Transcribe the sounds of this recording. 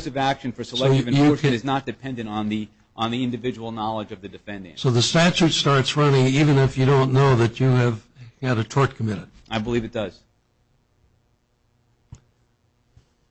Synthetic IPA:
sɨvækʃɨ̃nfə˞səlɛɨvɨ̃ɨɔɹɨznət̚d̥ɨpʰɛ̃ndɨ̃ñn̩ði | ʔnðiɪ̃ndɨvɪd͡ʒəwl̩ˠnɑlˠəd͡ʒʌvðɨdɨfɛ̃ndɪ̰̃ŋsoʊðɨstæt͡ʃʉtstɑɹtsɹʌnɪ̃ŋivɨ̃nɪfjɨɾõʊ̃nːoʊðɨt͡ʃɨːv̥ | ɨɾɨtʰɔɹt̚kʰəmɪɾɨd̥̚ | aɪbəlivɨt̚d̥ʌz̥

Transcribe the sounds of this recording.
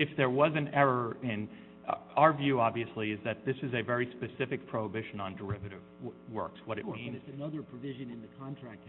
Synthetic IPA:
ɨfðə˞wʌzɨ̃nɛɹə˞ɪ̃n | aʊə˞vjʉɑbviɨsliɨzðɨt̪̚ðɪsɨzɨvɛɹispɨsɪfɨk̚pʰɹ̥oʊəbɪʃɨ̃nə̃ndə˞ɪvɨɾɨvwɜ̰˞kswʌɾɨt̚mĩnɨnʌðə˞pʰɹ̥ɨvɪʒɨ̃nɨ̃nðɨkʰɑ̃ntʰɹ̥æk̚t

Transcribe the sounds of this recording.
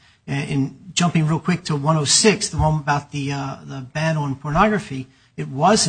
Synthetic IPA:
ɨɨ̃nd͡ʒʌ̃mpɪ̃ŋɹilˠkʰw̥ɪk̚tʰəwʌ̃ɾ̃oʊsɪksðəwõʊ̃mbaʊt̪̚ðɨðəbæ̃nl̩̃ˠnpʰə˞nɑɡɹɨfi | ɨt̚wʌzɨ̃

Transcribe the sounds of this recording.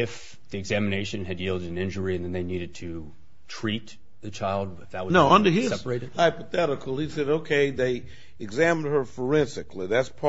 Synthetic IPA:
ɪf | ðiɨɡzæmɨneɪʃɨ̃nɨdjilˠdɨɾɨ̃nɪ̃nd͡ʒə˞iɨ̃nðɨ̃nðeɪniɾɨd̚tʰɨ | tʰɹ̥it̪̚ | ðɨt͡ʃʰaɪlˠd̚ɨfðəwnoʊʌ̃ndə˞ɪzsɛ̥pə˞eɪɾɨhaɪpəθɛɾəkʰl̩ˠhisɛɾoʊkʰeɪðeɪ | ɨɡzæ̃m̃nd̚ə˞fə˞ɛ̃nsɨkʰliðætspʰ

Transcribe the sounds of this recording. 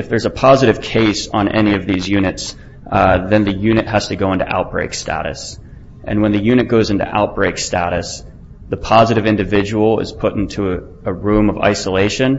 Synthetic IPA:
ɨfðə˞zəpʰɑzɨɾɨv̥kʰeɪsn̩ʔɛ̰niʌvðizjʉnɨts | ðɨ̃nðɨjʉnɨt̚ɦɨz̥tʰɨɡoʊɪ̃ntṵʔa̰ʊt̚b̥ɹeɪkstæ̰ɾɨ̰s | ʔɨ̃nwə̃nðɨjʉñɨt̚ɡ̥oʊzɪ̃ntṵʔa̰ʊt̚b̥ɹeɪkstæɾɨs | ðəpʰɑzɨɾɨvɪ̃ndɨvɪd͡ʒəwl̩ˠɪ̰z̥pʰʊɾɪ̃ntʰu | əɹʉ̃mʌva̰ɪsəleɪʃɨ̃n

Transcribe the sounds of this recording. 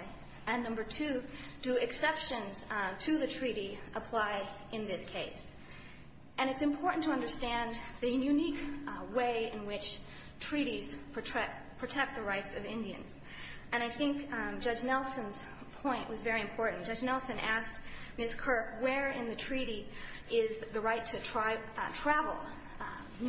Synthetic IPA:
ɨ̃nːʌ̃mbə˞tʰʉ | dɨɨksɛpʃɨ̃nz̥tʰɨðɨtʰɹ̥iɾiʔəpʰl̥aɪʔɨ̃nðɪskʰeɪs | ʔɨ̃ɾ̃ɨtsɨ̃mpʰɔɹʔn̩tʰəʌ̃ndə˞stæ̃nðɨjʉnikweɪɨ̃nwɪt͡ʃ | tʰɹ̥iɾiz̥ʰɹ̥ɨtʰɛ | pʰɹ̥ɨtʰɛk̚t̪̚ðɨɹaɪtsʌvɪ̃ndiɨ̰̃nz̥ | ɨ̃ɾ̃aɪθɪ̃ŋkd͡ʒʌd͡ʒnɛlˠsɨ̃nz̥ | pʰɔ̃ɪ̃nʔwʌzvɛɹiɨ̃mpʰɔɹʔn̩d̥ʌd͡ʒnɛlˠsɨ̃nʔæstmɪskʰɜ˞kwə˞ɪ̃nðɨtʰɹ̥iɾi | ɪzðɨɹaɪtʰɨtʰɹ̥atʰɹ̥ævl̩ˠ

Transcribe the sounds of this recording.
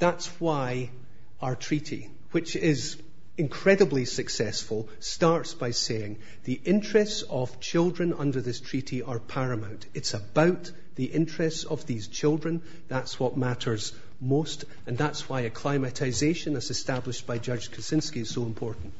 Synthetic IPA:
ðatswaɪ | aə˞tʰɹ̥iʔḭ | wɪt͡ʃɪz | ɪ̃nkʰɹ̥ɛɾəblˠisɨksɛsfəl̩ˠ | staɹtsb̥aɪseɪ̃ŋ | ðiʔɪ̃nt͡ʃɹ̥ɛstsəv̥t͡ʃʰɪlˠdɹə̃nʌ̰̃ndə˞ðɪstʰɹ̥iʔiʔə˞pʰaɹɨmãʊ̃ntɨtsəbaʊʔ | ðiʔɪ̃nt͡ʃɹ̥ɛstsəvðiz̥t͡ʃʰɪlˠdɹə̃n | ðatswɔʔ̚maʔə˞z | most | ə̃nðatsw̥aɪɨkʰl̥aɪmɨʔaɪzeʃə̃nɪzɨstablˠɪʃb̥aɪd͡ʒʌ̥d͡ʒ̥kʰəsɪ̃nskiɨz̥soɪ̃mpʰɔɹʔn̩ʔ

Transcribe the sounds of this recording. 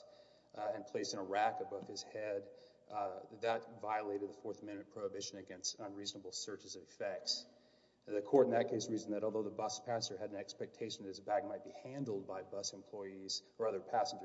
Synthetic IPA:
ɨ̃npʰl̥eɪsɨ̃nəɹækɨbʌv̥ɨz̥hɛd̪̚ | ðɨtvaɪəleɪɾɨd̪̚ðəfɔɹθəmɛ̃nmɨ̃npʰɹ̥oʊəbɪʃɨ̃nɨɡɛ̃nstʌ̃nɹiznəbl̩ˠsɜ˞t͡ʃɨzʌvɨfɛk̚ts | ðɨkʰɔɹɾn̩ðɨt̚kʰeɪsɹiz̃n̩ðɨɾɔlˠðoʊðəbʌspʰæsə˞ɨɾ̃n̩ɛkspɛk̚tʰeɪʃn̩ððɪsbæɡ̚maɪt̚b̥ihæ̃ndl̩ˠd̚baɪbʌsɨ̃mpʰl̥ɔɪiz̥ə˞ʌðə˞pʰæsn̩d͡ʒə˞

